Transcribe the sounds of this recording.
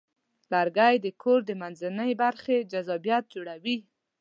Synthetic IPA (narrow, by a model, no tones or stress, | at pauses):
laɾɡajd̪əkʰoɾd̪əmanzanəjbaɾxed͡ʒazɑbjat̪̚d͡ʒoɽawi